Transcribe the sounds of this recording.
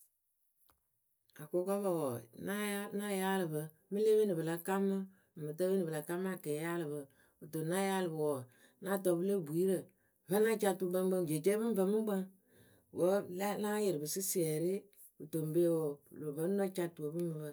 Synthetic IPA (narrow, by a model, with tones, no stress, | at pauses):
a˨ko˦ka˦ba˦˨wɔ˨na˦na˦ja˦lɨ˨bə˨ | mɨ˦le˦be˦ni˨bɨ˨la˨ka˦mːɨ˦˨ | mɨ˨tə˦be˦nɨ˨bə˨la˨ka˦m˦a˦˨kɛ˨˦ja˦lɨ˨bə˨ | u˨to˨na˦ja˦lɨ˨bə˨wɔ˨ | na˦tɔ˨bɨ˦lə˦bu˨i˨˦ɾə˨ | və˦na˦t͡ʃa˦tu˨˦bə˦ŋ˦ɡ͡bə˦ŋd͡ʒe˨t͡ʃe˦bɨ˦m˦və˨mɨ˦ɡ͡bə˦ŋ | wə˨˦lna˦jə˨ɾɨ˨bɨ˨sɨ˦si˦ɛ˨ɾi˦ | u˨to˨m˨be˦wɔ˨lo˨və˦na˦t͡ʃa˦tu˨o˨bɨ˦mɨ˨bə˨